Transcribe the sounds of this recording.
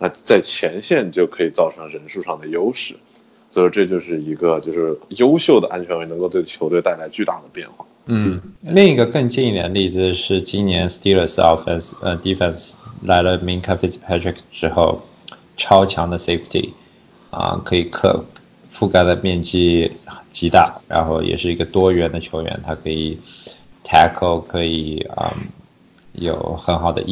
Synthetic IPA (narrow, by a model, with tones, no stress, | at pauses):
na˥˧t͡sa˥˩ɪt͡ɕʰjɛ˧˥nɕjɛ˥˧nt͡ɕjo˥˩ʊkʰɤ˧˥i˨˩t͡sɑ˥˩ʊʈ͡ʂʰɤ˧˥ŋɻə˧˥nʂu˥˧ʂɑ˥˩ŋd̪ə˩jo˥ʊʂɻ̩˥˩˦ | swɔ˧˥i˧˥ʈ͡ʂɤ˥˧t͡ɕjo˥˧ʊʂɻ̩˥˩i˧˥ɡə˧t͡ɕjo˥˧ʊʂɻ̩˥˩jo˥ʊɕjo˥˩ʊd̪ə˩ʔa̰˥nt͡ɕʰɥɛ˧˥nwɪnɤ˧˥ŋko˥˧ʊt̪we˥˩ɪt͡ɕʰo˧˥ʊt̪we˥˧ɪt̪a˥˩ɪla˧˥ɪt͡ɕy˥˧t̪a˥˩d̪ə˩pjɛ̰˥˧nxwa̰˥˩n̩˥˩li˥˩ŋi˧˥ɡə˧kɤ˥˧ŋt͡ɕi˥˧i˥˩njɛ̰˧˥nli˥˩d͡z̩˩ʂɻ̩˥˩t͡ɕi˥nnjɛ˧˥nst̪i˥lə˥˧˩sɔ̰˥˩fɛ̰˥˩nsə̰˧˩t̪i˧˥fɛ˥˩nsla˧˥ɪlə˧mi˧˥nkʰa˥fi˥˩spʰæ˥tʰɹɪ˧˥kʈ͡ʂɻ̩˥xo˥˧ʊ | ʈ͡ʂʰɑ˥ʊt͡ɕʰjɑ˧˥ŋd̪ə˧se˥ɪft̪ʰḭ˧˩ | ə̰˧˩kʰɤ˧˥i˨˩kʰɤ̰˨˩ | fu˥˩ka˥˩d̪ə˩mjɛ˥˩nt͡ɕi˥t͡ɕi˧˥t̪a̰˥˩ɻa̰˧˥nxo˥˩ʊjʔɛ̰˨˩ʂɻ̩˥˩i˧˥ɡə˧t̪wɔ˥ɥɛ˧˥nd̪ə˧t͡ɕʰjo˧˥ʊɥɛ̰˧˥nt̪ʰa˥kʰɤ˧˥i˨˩t̪ʰæ˥kʰo˥˩ʊkʰɤ˧˥i˨˩ə̰˧˩ | jo˨˩ʊxə˧˥nxɑ˨˩ʊd̪ə̰˦˥